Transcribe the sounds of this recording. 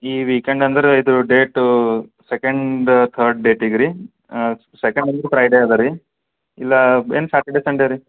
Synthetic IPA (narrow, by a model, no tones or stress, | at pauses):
iːʋiːkeɳɖɐnd̪ɐɾeid̪uɖeːʈusekɐɳɖt̪ʰəːɾɖ̚ɖeːʈiɡɾi | sekɐɳɖɐnd̪ɐɾepɾɐjɖeaːd̪ɐɾi | ilːɐeːnsaːʈeɖesɐɳɖeɾi